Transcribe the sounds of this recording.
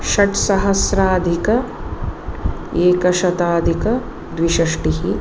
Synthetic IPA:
ʃɐʈsɐɦɐsɾaːd̪ʱikɐ | eːkɐʃɐt̪aːd̪ʱikɐ | d̪ʋiʃɐʂʈiɦi

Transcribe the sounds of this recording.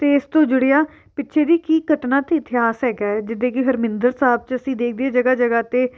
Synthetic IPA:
t̪eːɪst̪õːd͡ʒʊɽejaː | pɪtːʃʰeːd̪iːkiːkəʈnãːt̪eːɪt̪ɪjaːsɦɛːkaːɛd͡ʒɪd̪ːeːkɪɦəɾmɪnd̪əɾsaːb̚t͡ʃəsĩːd̪eːkʰd̪ɪaːd͡ʒəɡaːd͡ʒəɡaːt̪eː

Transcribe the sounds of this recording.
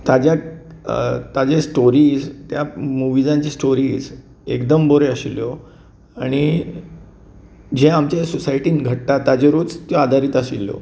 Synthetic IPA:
t̪ad͡ʑja | t̪ad͡ʑesʈoɾiːd͡zt̪jamuʋid͡zãɲt͡ɕisʈoɾiːz | ekd̪əmboɾeəɕiljo | aɽ̃i | d͡ʑeamt͡ɕesosajiʈiːnɡʱəʈ̚t̪at̪ːad͡ʑeɾod͡zt̪joad̪ʱaɾiːt̪əɕilːo̰

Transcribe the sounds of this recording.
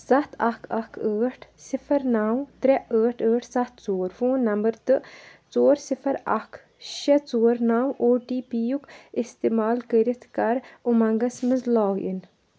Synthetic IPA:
sɐt̪ʰɐkʰɐkʰəːʈʰsifʰɐɾnaːwt̪ɾɛəːʈʰəːʈʰsɐt̪ʰt͡soːɾfoːnːɐmbɐɾt̪ɨt͡soːɾsifʰɐɾɐ̰kʰ | ʃɐt͡soːɾnaːwoːʈiːpiːjukist̪eːmaːlkəɾit̪ʰkɐɾumɐŋɡɐsmɨzlaːɡḭn

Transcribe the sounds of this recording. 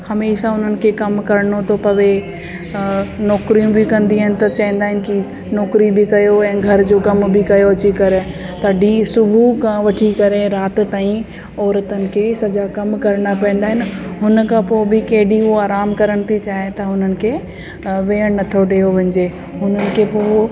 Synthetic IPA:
hɐmeːʃaɦʊn̤ənɪ̆kʰekɐmkɐɾɽot̪ʰopɐʋe | nɔːkɾijũbɪkɐ̃nd̪iɪnɪ̆t̪ɐt͡ɕɐɦĩːn̆d̪aːɦɪnɪ̆ki | nɔːkɾibɪkɐjoɛ̃ːɡʱɐɾd͡ʑokɐmbʱɪkɐjoɐt͡ɕikɐɾɪ | t̪ɐɖisʊbʱukʰãʋɐʈʰikɐɾeɾaːt̪t̪aːĩ | ɔːɾət̪ənɪ̆kʰesɐd͡ʑakɐmkɐɾɽ̃apɐ̃ĩːnd̪aːɦɪnɪɦʊnəkʰãpoːbɪkɐɦɪɗioaːɾaːmkɐɾəɽ̃ɪt̪ʰit͡ɕaːɦet̪ɐɦʊnənɪ̆kʰeː | ʋeːəɽ̃nɐt̪ʰoɖeːjoʋɐ̃ɲd͡ʑeː | ɦʊnənɪ̆kʰepoː

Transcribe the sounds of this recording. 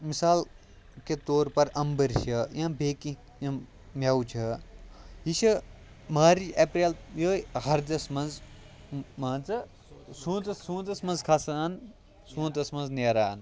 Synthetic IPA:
misaːl | ket̪oːɾpɐɾɐmbəɾʃɐjãbeːki | jã | mʲawt͡ʃʰɐ | jiʃɐ | maːɾiʔepɾeːljoːɦɐɾd̪ʲɐsmɐnz | maːnt͡sɐ | sũːnt̪ɐsũːnt̪ɐsmɐnzkʰasaːn | sũːnt̪ɐsmɐnzneːɾaːn

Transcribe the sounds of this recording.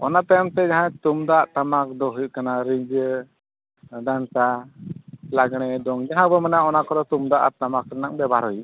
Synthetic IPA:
ɔ̰nap̪aamt̪ɛd͡ʒaɦãt̪umd̪aʔt̪amak̚d̪ɔɦukanaɾiɲd͡ʒ | d̪ant̪a | laɡɽ̃ɛd̪ɔŋd͡ʒaɦãbɔmɛnaɔnakɔɾɔt̪umd̪aʔa̰t̪amak̚ɾanaŋbɛbaɾɔj

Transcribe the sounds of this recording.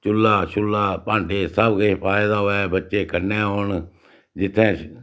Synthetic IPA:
t͡ʃʊlːaːʃʊlːaːpãːɳɖeːsəbkeːpaːed̪aːoːɛːbətːʃeːkəɾneːɦoːɳ | d͡ʒɪt̪ʰːẽː

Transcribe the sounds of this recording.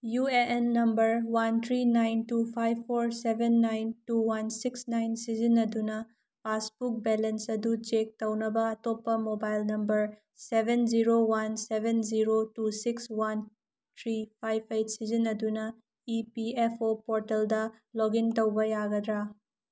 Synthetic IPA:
jueʔenːɐmbɐɾwantʰɾinajntupʰajbʰpʰːoɾsebʱenːajntuwansiksnajnsizinːɐdunɐ | pʰasbuk̚belensɐdut͡ʃek̚tɐwnɐbɐɐtopːɐmobajlnɐmbɐɾ | sebʱend͡ʒiɾowansebʱend͡ʒiɾotusikswan | t̪ʰɾipʰajbʰejt̚ʰsizinːɐdunɐ | ipiepʰopoɾteldɐ | loɡintɐwbɐjaɡɐd̪ɾa

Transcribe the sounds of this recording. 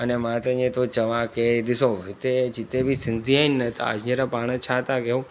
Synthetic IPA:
ənemãt̪aɲẽt̪ot͡ʃəʋãked̪isoɦit̪et͡ʃit̪ebʱisɪnd̪ʱiajnːət̪ʰa̰a̰d͡ʒneɾapaɽ̃ət͡ʃʰat̪akeũ

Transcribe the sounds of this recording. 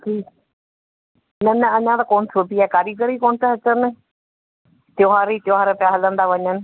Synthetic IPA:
ʈʰiːk | nɐnɐɐɲãt̪akoːnɪsʰopiaːkaːɾiɡəɾiːkoːnt̪əɦɐt͡ʃənɪ | t̪joːɦaːɾiːt̪joːɦaːɾepɪjaːɦələ̃nd̪aːʋɐɲənɪ̆

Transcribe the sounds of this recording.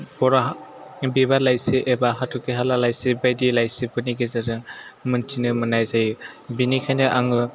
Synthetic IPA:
bɔɾabibalajseʔebaɦatʰɔkeɦalalajsebajdilajsibɯniɡezaɾɯmɯntʰinɯmɯnajzajbinikʰajnɯʔaŋɯ

